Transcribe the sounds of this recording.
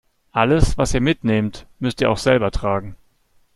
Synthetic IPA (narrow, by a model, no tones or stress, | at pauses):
ʔaləsv̥asiːɐmɪtneːmtmʏstiːɐa̰ʊxz̥ɛlbɐtʁ̥aːɡŋ̩